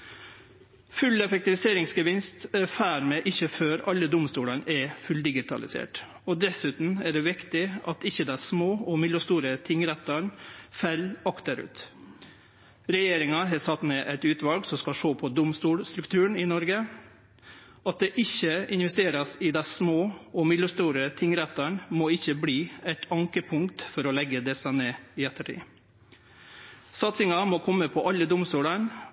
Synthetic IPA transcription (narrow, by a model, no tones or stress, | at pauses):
fʉlɛfɛk̚t̪ɪʋɪseːɾɪŋsɡəʋɪnst̪ɛfæːɾmɛʔɪçːəføːɾɑlːəd̪ʊmst̪uːlɑnɛfʉld̪ɪɡɪt̪ʰɑ̰lɪ̰sḛːʈ | ɔd̪ɛsʉːt̪n̩æɖɛʋɪkt̪ɪʔɑt̪ɪçːəd̪æsmoːɔmɪlːəst̪uːɾət̪ʰɪŋːɾɛt̪ːɑɳfɛlɑkt̪əɾʉ̰ːt̪ | ɾɛjeːɾɪŋɑɦɑːsɑt̪meːʔæɪt̪ʉːt̪ʋɑlɡsɔskɑʂoːpʰɔd̪ʊmst̪uːlst̪ɾʉkt̪ʰʉːəɳ̩ɪnɔɾɡə | ɑt̪̚d̪ɛʔɪçːəɪnʋɛst̪eːɾɑsɪd̪ɛsmoːɔmɪd̪əst̪uːɾət̪ʰɪŋɾɛt̪ːɑɳmoɪçːəbliːæɪt̪ʰɑŋkəpʰʊŋkt̪fɔɾɔlɛɡːəd̪ɛsɑneːɪɛt̪ːəʈʰḭː | sɑt̪sɪŋɑmɔːkʰɔmːəpʰɔʔɑlːəd̪ʊmst̪uːɽɑɳ